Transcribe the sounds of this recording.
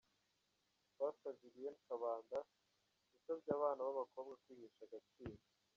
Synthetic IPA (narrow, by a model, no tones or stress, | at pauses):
βaːsaβiɾije̞nikaβaːnda | ɡusabɟaːβaːnaβaβako̞ːbɡakwiːɡiːʃaɡat͡ʃiːndo